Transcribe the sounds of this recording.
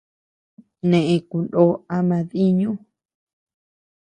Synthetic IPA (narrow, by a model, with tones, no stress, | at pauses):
nẽ˨ʔẽ˧ku˨ndo˦a˧mã˧ði˦ɲũ˦